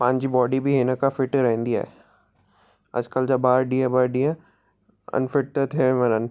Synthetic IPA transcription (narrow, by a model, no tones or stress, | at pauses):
pãːɲd͡ʒibɔːɖibʱiɦeːnəkafɪʈɾɛɦə̃nd̪iɦɛ̰ː | ɐ̰d͡ʒkəld͡ʒɐbbaːɾɖiãbaːɾɖiã | ə̰nfɪʈ̚t̪ət̪ʰɦɛ̃mənən